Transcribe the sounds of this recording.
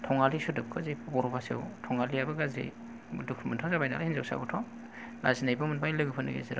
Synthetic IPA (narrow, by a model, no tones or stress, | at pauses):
tʰɔŋalisudɯp̚kʰɯzejpʰbɔɾɔpʰasḛwtʰɔŋaliabɯɡazḛj | dukʰmɯntʰazabajna̰lahinza̰wsa̰ɡutʰɔŋ | la̰zinajbɯmɯnpʰajlɯɡɯpʰɯnɯ̰ɡḛziɾa